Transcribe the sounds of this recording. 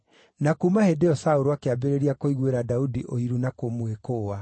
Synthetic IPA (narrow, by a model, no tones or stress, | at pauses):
nakumahedeɔsaoɾoakeabeɾeɾiakoiɣweɾadaudiʔoiɾunakomuekoːa